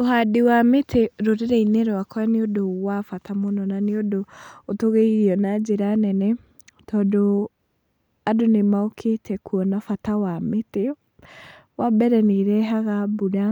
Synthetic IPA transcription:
oɦadewametʰeɾoɾeɾɛineɾowakɔɛneodowafatamonɔnaneodootoɣeiɣiɔnad͡ʒeɾanɛnɛ | tɔːndo | adonemaokʰetʰɛkuɔnafatawamete | wabɛɾɛneɾɛɦaɣabuɾa

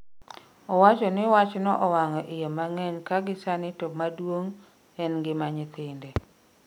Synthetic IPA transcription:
ɔwat͡ʃɔnɪwat͡ʃnɔʔɔwaŋɔʔɪjomaŋɛɲkaɡɪsanɪtomadwoŋ | ɛnɡɪmaɲɪt̪ɪnde

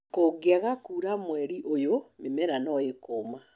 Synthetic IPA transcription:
koɡeaɣakuːɾamwɛɾiʔojomemɛɾanɔekoːma

